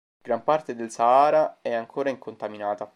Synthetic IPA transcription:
ɡ̥ɾampart̪ed̪elsaaːɾaɛaŋkʰoːɾaiŋkont̪aminaːt̪a

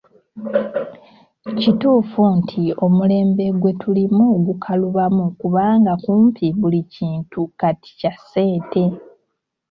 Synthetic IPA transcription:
cituːfuntʰio̞mule̞ːmbe̞ɡwe̞tulimuɡukʰaluβamukuβaːŋɡakuːmpiβuliciːntukati̥case̞ːte̞

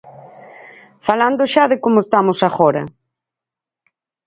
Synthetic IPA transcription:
faland̪ʊʃaðekomoest̪amosaɣɔɾɐ

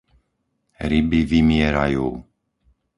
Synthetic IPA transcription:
ɾibiʋimɪɛɾa̰juː

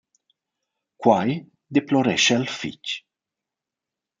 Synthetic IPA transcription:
kwaj | d̪eploɾɛʃealfḭc

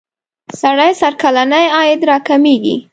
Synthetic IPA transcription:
saɽajsaɾkalanajɑjɪd̪ɾɑkameɡḭ

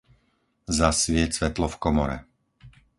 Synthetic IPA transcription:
zasʋɪɛt͡sʋɛt̪lɔfkɔmɔɾɛ̰

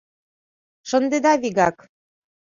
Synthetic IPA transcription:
ʃɤ̆nd̪ed̪ɑβiɣɑk

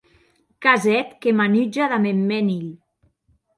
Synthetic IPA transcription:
kazɛt̪kemanyd͡ʒaðamemːɛniʎ

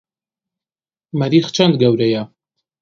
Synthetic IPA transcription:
mɐɾiːxt͡ʃʰɐnd̪̚ɡɐwɾɛja

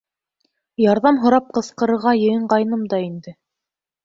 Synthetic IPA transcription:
jɑɾðɑmɦŏɾɑp̚qɤ̆sqɤ̆ɾɤ̆ɾʁɑjɤ̆jɤɴɢɑj̆nɤmd̪ɑind̪ɘ

